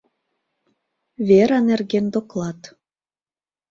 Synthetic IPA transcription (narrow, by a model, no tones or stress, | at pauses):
βeɾɑnerɣend̪oklˠɑt̪